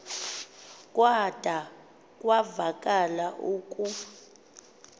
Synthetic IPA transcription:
kʼwad̥ʱa | kʼwavakʼalaʔuːkʼu

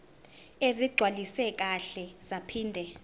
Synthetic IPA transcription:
eziɡ͡ǀʱwalisɛk̬ʼaɬɛz̥apʰiːndʱɛ

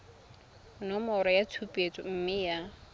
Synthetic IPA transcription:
nɔmɔɾɔjatʰupʼet͡sʼɔm̩mɪja

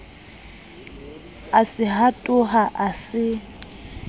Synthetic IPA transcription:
asɪɦatʼʊɦaʔasɪ

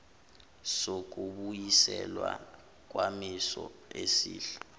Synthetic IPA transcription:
sok̬ʼuɓujisɛlwa | k̬wamisɔesiːɬḁ

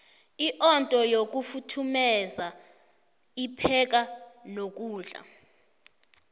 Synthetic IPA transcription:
iʔɔntʼɔjok̬ʼufutʰumɛza | ipʰɛk̬ʼalok̬ʼuːɮa̰

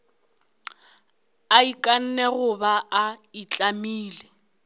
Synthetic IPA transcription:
aikʼan̩nɛɣʊbaʔait͡ɬʼamiːle

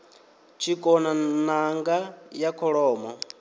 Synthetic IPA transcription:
t͡ʃʰikʼɔnanaŋɡajakʰɔɺɔːmɔ

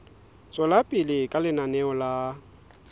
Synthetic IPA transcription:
t͡sʼɔlapʼɪlɪkʼalɪnanɛɔla

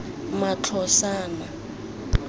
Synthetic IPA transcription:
mat͡ɬʰɔsaːna

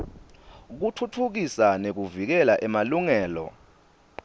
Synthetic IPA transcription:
k̬utʰutʰuk̬isanek̬uvik̬ɛlaʔɛmaluŋɛːlɔ̰

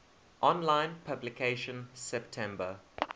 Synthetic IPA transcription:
ʔɔ̃nlãɪ̃npʰablɪkʰeɪʃə̃nsɛptʰɛ̃mbə

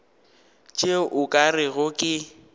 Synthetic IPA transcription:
t͡ʃʼeʔʊkʼarɪɣʊkʼɪ

